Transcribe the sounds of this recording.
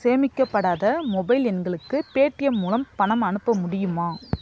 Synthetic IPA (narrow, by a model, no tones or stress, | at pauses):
seːmɪkːɐpːɐɽaːðɐmɔbɐɪlɛnɡɐɭɯkːɯpeːʈːɪjɐmːulɐmpɐɳɐmɐɳɯpːɐmʊɽɪjɯmaː